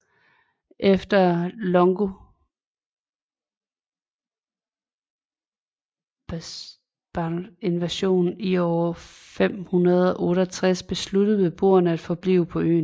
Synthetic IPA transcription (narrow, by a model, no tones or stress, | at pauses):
ʔefd̥ɐlɒ̽ŋɡ̥o | b̥ɑe̝nʋæɕo̝̰ːnniɒʊ | fem̰hunɐð̞ˠɒ̽ʔɔ̽ːɾɒt͡sʰʁasb̥e̝slud̥əð̩ˠʋe̝b̥o̝̰ːɐnəæd̥fɒ̽b̥lḭːʊpʰɒ̽ø̰ːn